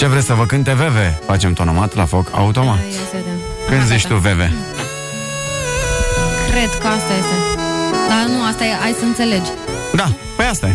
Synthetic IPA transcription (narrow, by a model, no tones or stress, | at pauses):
t͡ʃe̞vɾesʲsəvəkɨnt̪e̞ve̞ve̞fat͡ʃe̞mt̪o̞nomat̪lafo̞kʰa̰ut̪o̞ma | kɨnzit͡ʃt̪uve̞ve̞ | kɾe̞d̪kəast̪ajest̪ed̪anuast̪aeajsəɨnt̪se̞le̞d͡ʒ | d̪a | pe̞ast̪aja